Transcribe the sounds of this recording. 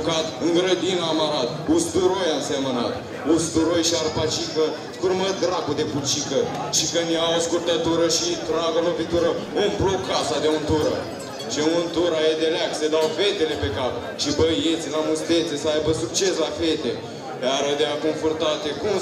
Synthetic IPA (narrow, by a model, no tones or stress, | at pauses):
kat̪ɨŋɡɾəd̪inamaɾat̪ust̪uɾojaɨnseməna̰t̪ | ust̪uɾojʃiarpat͡ʃikə | skurmət̪ɡɾakud̪e̞put͡ʃikəʃikəneaoskurt̪ət̪uɾəʃit̪ɾaɡəlopit̪uɾəomblokʰːasad̪eont̪uɾə̰ | t͡ʃeunt̪uɾajed̪elɪaksed̪awfe̞t̪ele̞pe̞kap̚ | ʃibəjet̪sʲlamust̪et̪sesəajbəsuk̚t͡ʃeslafet̪e | aɾəd̪eakoɱfort̪at̪ekum